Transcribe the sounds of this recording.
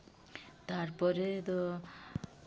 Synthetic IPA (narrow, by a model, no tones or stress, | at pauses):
t̪aɾpɔɾet̪o